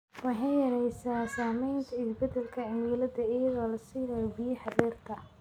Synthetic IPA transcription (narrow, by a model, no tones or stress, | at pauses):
wɑħɑjjɐɾɛjsaːsaːmɛjnt̪ʰɐɪsbɛd̪ɛlkʰɐʕɪmuːlɐd̪ɐɪjɐðɔːlɐsiːmɛjɔbijɪħɑdɛːrt̪ʰɐ